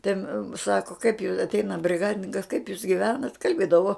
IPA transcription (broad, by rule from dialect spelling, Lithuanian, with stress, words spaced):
tʲɛn ˈsɑːkoː kɐɪp jʊ ɐtʲˈɛɪnɐ bʲrʲɪˈɡɑːdʲɪnʲɪŋkɐs kɐɪp juːs ɡʲɪˈʋʲæːnɐtʲ kɐlʲˈbʲeːdɐʋoː